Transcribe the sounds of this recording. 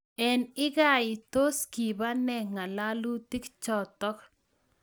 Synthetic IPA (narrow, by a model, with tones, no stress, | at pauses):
ɛ˨nɪ˦ɡa˦˨ɪ˨t̪o˦ski˨ba˦nɛ˦ŋa˨la˦lu˦t̪i˦kt͡ʃɔ˨t̪ɔ˦k